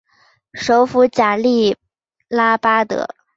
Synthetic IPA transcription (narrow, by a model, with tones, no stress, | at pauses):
ʂo˧˥ʊfu˧˥t͡ɕja˨˩li˥˩ | la˥pa˥t̪ɤ̰˧˥˦